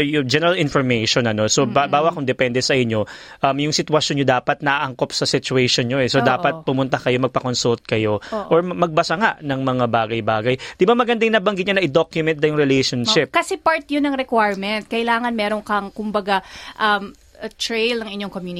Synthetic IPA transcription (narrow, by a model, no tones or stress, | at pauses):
jʊd͡ʒɛnɛɾalɪnfɔɹmejʃonɐno̞sobabaːwɐkʊŋd̪ɛpɛnd̪ɛsɐʔɪɲːo̞ | ʔɐmjʊŋsɪt̪wɐʃonɲod̪aːpɐt̪̚nɐʔaʔɐŋko̞p̚sɐsɪt͡ʃuɛjʃonɲoʔɛsod̪aːpɐt̪̚pʊmʊnt̪akɐjo̞mɐɡ̚pɐko̞nsult̪̚kɐjo̞ʔʔoɹmɐɡ̚bɐsɐŋaʔnɐŋmɐŋabaːɡɐjbaːɡɐjd̪̥ɪbamɐɡɐnd̪aŋnɐbɐŋɡɪt̪ɲonɐʔɪd̪okjʊmɛnt̪̚d̪ɐjʊŋɾɛlɛjʃonʃɪp̚kɐsɛpaɹt̪̚ɲʊnɐŋɾɛkwajɹmɛnt̪̚kɐʔɪlaːŋɐnmɛːɾoŋkɐŋkʊmbɐɡaʔɐm | t̪ɾejlnɐŋɪɲːoŋkomjun